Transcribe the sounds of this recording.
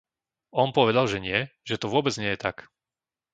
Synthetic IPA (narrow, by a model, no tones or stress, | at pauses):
ʔɔnpɔʋɛd̪alʒɛɲɪɛʒɛt̪ɔʋʊɔbɛd͡zɲɪɛjɛt̪ak